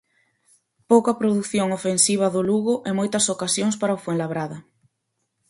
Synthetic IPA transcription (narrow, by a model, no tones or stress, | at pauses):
powkɐpɾoðuθjoŋofensiβ̞ɐðʊluɣʊʔemojt̪ɐsokasjoŋspaɾɐofweŋlaβɾaðɐ